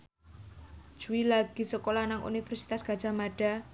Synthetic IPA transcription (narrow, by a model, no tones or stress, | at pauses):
d͡ʒ̥uwilaɡ̥isəkolanaŋʔṵnifɛrsit̪asɡ̥a̤̥d͡ʒ̥a̤maɖ̥a̤